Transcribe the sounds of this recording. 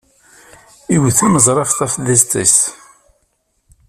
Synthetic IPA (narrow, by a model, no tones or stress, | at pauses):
iwθæməzˤɾˤɑfθæfðæzt̪ːæ̰s